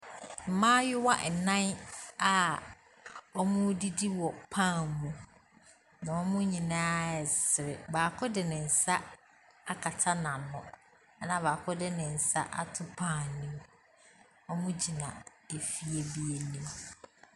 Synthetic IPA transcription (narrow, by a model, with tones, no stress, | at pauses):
m̩˨mãː˦jɪ˦wa˦ʔnã˦na˨ | ɔ˦mʊ̃˦di˦di˦wɔ˨pʰã˦˨mũ˦ | nã˨ɔ˦mʊ̃˦ɲĩ˨nã˦ɛ˨sɪ˨ɾɪ̰˨baː˨kʰʊ˦dɪ˨nɪ̃˨n̩˨sa˦ | a˦kʰa˨tʰa˦nã˨nʊ̃˨ | a˦nã˨βaː˨kʰʊ˦dɪ˦nɪ̃˨n̩˨sa̰˦ʔa̰˦tʰʊ˦pʰãː˦˨nĩ˦m | ɔ˦mʊ̃˦d͡ʑi˨nã˨ | e˨fi˨e˨bi˨e˨nĩ˦m